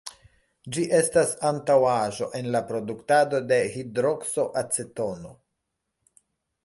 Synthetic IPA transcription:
d͡ʒiʔe̞stasantawaʒo̞̰ʔe̞nlapɾo̞duktado̞de̞hidɾo̞kso̞ʔat͡seto̞no̞

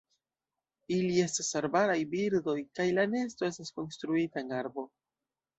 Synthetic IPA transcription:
ilie̞stasaɾbaɾajbiɾdo̞jkajlane̞esto̞e̞stasko̞nstɾuitaenaɾbo̞

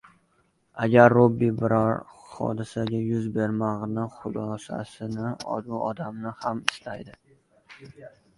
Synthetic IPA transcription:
aɡʲaɾːobːibɪɾɒɾχɒ̰d̪ɪsaɡʲajʊzbe̞ɾmaʁnɪχʊlˠɒsa̰sɪnɪɒ̰d̪uɒ̰d̪amnɪhamɪst̪ajd̪ɪ

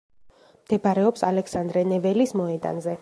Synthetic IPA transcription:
md̪̥ɛbaɾɛɔpsalɛksand̪ɾɛnɛvɛlismɔɛd̪a̰nzɛ

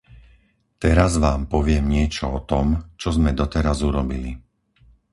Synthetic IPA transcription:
t̪ɛɾazʋaːmpɔʋɪɛmɲɪɛt͡ʃɔɔt̪ɔmt͡ʃɔzmɛd̪ɔt̪ɛɾazuɾɔbili

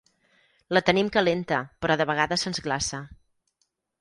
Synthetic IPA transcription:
lət̪ənimkəlent̪əpɾɔðəβəɣ̞aðəsənzɣlasə

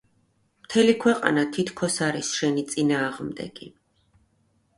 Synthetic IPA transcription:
mt̪ʰɛlikʰwɛqʼa̰nat̪ʰit̪ʰkʰɔsaɾisʃɛnit̪sʼinaːʁmd̪ɛ̰ɡ̥i

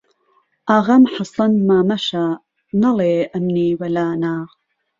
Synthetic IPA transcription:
ʔaɣɐmħɑsˤɐnmaːmɐʃa | nɐleːʔɐmniːwɐlaːnaː

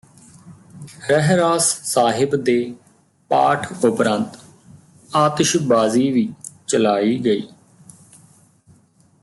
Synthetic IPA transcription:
ɾɛɦɾaːsːaːɦɪbd̪eː | paːʈʰʊpɾə̃nt̪ | aːt̪ʃbaːziːʋiːt͡ʃəlaːiːɡəiː

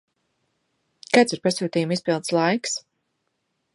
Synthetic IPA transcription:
kajt̪siɾpasuːt̪iːjumispilˠd̪slˠajks

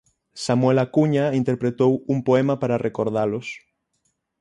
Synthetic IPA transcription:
samwɛlakuɲaint̪eɾpɾet̪owuŋpoɛmapaɾarekoɾð̞alʊs

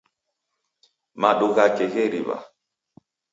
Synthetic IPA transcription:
maɗoɣakeɣeɾḭβa̰

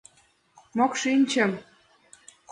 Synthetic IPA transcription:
mokʃinʲt͡ɕə̆m

